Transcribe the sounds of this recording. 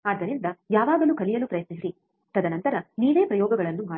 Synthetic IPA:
aːd̪ːɐnind̪ɐjaːʋaːɡɐlukɐlijɐlupɾɐjɐt̪nisɾi | t̪ɐd̪ɐnɐnt̪ɐɾɐniːʋe̞ːpɾɐjɔːɡɐɡɐɭɐnːumaː

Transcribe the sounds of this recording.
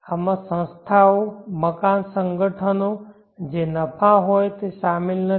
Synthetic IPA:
əmãsə̃nst̪ʰaoməkaːnsə̃ŋɡəʈʰəno | d͡ʑenɐpʰãɦoːjt̪eʃaːmɪlnə

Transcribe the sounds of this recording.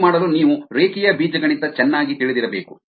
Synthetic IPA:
maːɽɐluniːʋuɾeːkijɐbiːd͡ʒɐɡɐɭind̪ɐt͡ʃɛnːaːɡit̪iɭid̪iɾɐbe̞ːku

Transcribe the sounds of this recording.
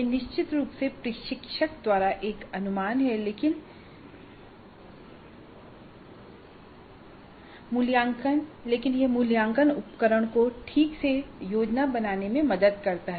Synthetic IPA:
jenɪʃt͡ʃɪt̪ɾuːpsepɾɪʃɪkʃəkd̪waːɾaʔeːkɐnʊmaːnɦɛleːkɪn | mʊljaːŋkənleːkɪnjemʊljãːŋkənʊpkəɾəɽ̃koʈʰiːksejoːd͡ʒnabɐnaːnemẽmɐd̪əd̪̚kɐɾt̪aɦɛ

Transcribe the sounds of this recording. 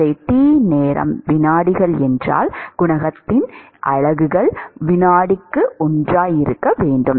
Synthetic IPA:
eɪt̪iːneːɾɐ̰mʋɪnaːɽɪɣɐɭɛndra̰ːlɡ̥ʊɳɐɣɐt̪ːɪn | ʔɐ̰ɻɐɣɯɣɐɭʋɪnaːɽɪkːɯʔʊndraːjɪɾɯkːɐʋeːɳɖɯm

